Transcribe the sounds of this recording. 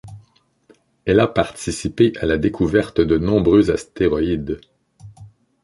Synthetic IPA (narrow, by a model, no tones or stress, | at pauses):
ɛlapaʁt̪isipeʔalad̪ekʰuvɛʁt̪d̪ənɔ̃bʁøzast̪eʁɔid̪